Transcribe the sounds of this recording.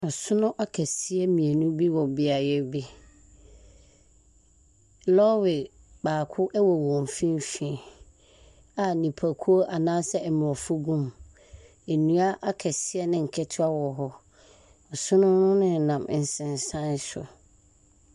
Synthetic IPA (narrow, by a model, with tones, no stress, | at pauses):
ɔ˨sʊ˦nʊ̃˦ʔa˦kʰɛ˨si˦ɛ˦mĩ˨e˨nũ˦bi˦wɔ˨bɪ˦a˨jɛ˦bi˦ | lɔ˦wɪ˨ | baː˨kʰʊ˦ʔɛ˦wɔ˨wɔ̃˨m˨fĩ˦m˦fĩ˨ | a˨nĩ˨pʰa˨kʰu˦o˦ʔa˨nãː˦sɛ˦ɛ˨m̃˨ɔ˨fʊ˦ɡũ˦m | e˨nũ˦a˦ʔa˦kʰɛ˨sɪ˦ɛ˦nɪ̃˦ŋ̩˨kʰɛ˦tʰɪ˦a˦wɔ˨ɦɔ˦ | ɔ˨sʊ̃˦nʊ̃˦nʊ̃˦nɪ̃˦˨nã˨m˨n̩˨sɪ̃˨n˨sã˦n˦sʊ̰˨